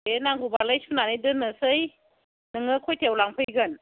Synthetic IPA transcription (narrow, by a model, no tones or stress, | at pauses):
enaŋɡubalajsunanijdɯnɯsɯj | nɯŋɯkʰɔjtʰewlaŋpʰɯjɡɯn